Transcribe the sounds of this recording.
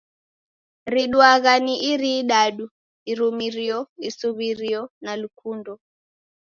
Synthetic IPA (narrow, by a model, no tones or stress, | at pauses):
ɾiɗwaɣaniʔiɾiɗaɗu | iɾumiɾiɔisuβiɾiɔnalukʰundɔ